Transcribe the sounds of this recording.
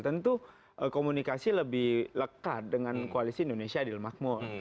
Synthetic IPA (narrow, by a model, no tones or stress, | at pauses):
t̪ənt̪u | ʔəkomunikasiləbɪhləkat̪̚dəŋankoalisiːndonesiadilmak̚mɔr